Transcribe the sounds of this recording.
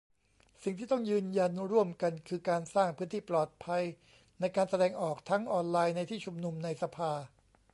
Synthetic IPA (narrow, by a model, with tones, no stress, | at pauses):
si˨˩ŋt̪ʰiː˥˩t̪ɔ˥˩ŋjɯː˧nja˧nɾu˥˩əmka˧nkʰɯː˧kaː˧nsaː˥˩ŋpʰɯː˦˥nt̪ʰiː˥˩plɔː˨˩t̪̚pʰa˧j | na˧jkaː˧nsa˧dɛː˧ŋʔɔː˨˩k̚t̪ʰa˦˥ŋʔɔː˧nlaː˧jna˧jt̪ʰiː˥˩t͡ɕʰu˧mnu˧mna˧jsa˧pʰaː˧